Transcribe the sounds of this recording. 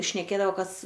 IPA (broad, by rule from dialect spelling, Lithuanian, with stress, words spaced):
ʃʲnʲɛˈkʲeːdɐʋoː ˈkɐs